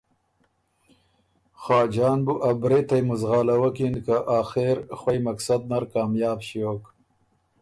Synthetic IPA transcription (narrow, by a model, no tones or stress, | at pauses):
xɑːd͡ʒɑːnbuʔabɾet̪ajmʊzɣɑːlawakinkaʔaːxeɾxwajmaksad̪̚naɾkɑːmjɑːbɕioːk